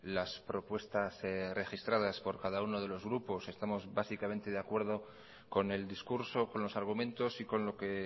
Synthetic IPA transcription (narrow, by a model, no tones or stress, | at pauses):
laspɾo̞pwe̞st̪asre̞xist̪ɾað̞aspo̞ɾkaðauno̞ð̞e̞lo̞zɣɾupo̞se̞st̪amo̞zβasikame̞nt̪e̞ðeakwe̞ɾðo̞ | ko̞ne̞ld̪iskuɾso̞ko̞nlo̞saɾɣ̞umẽ̞nt̪o̞siko̞nlo̞ke̞